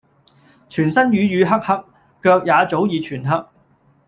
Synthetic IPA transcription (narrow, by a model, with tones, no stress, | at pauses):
t͡ʃʰyː˨˩nsɐ˥njyː˨˧jyː˨˧ɦɐ˥k̚hɐ˥k̚ː | œː˧k̚jaː˨˧t͡so˨˥wjiː˨˧t͡ʃʰyː˨˩nɦɐ˥k̚